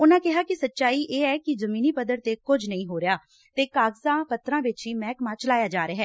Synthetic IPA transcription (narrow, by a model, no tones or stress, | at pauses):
ʊnãːkɪɦaːkɪsətːʃaːiːʔeːɛːkɪzəmiːniːpəd̪əɾt̪eːkʊd͡ʒʱnəĩːɦoːɾɪjaː | t̪eːkaːɡzãːpət̪ɾãːʋɪt͡ʃiːmɛːkmãːt͡ʃəlaːjaːd͡ʒaːɾeɦɛː